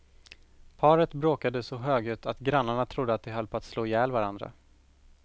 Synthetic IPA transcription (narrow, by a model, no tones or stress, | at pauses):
pʰɑːɾət̪bɾoːkad̪əsɔɦøːɡʉ̟ːt̪ʰat̪ɡɾanːaɳat̪ʰɾʊd̪ːəat̪̚d̪ɛɦalpʰɔat̪sloːjɛːlvaɾand̪ɾa̰